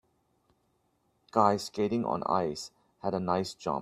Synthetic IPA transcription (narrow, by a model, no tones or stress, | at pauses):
kaɪskeɾɪ̃ŋɔ̰̃na̰ɪs | hɛɾənaɪsd͡ʒã̰m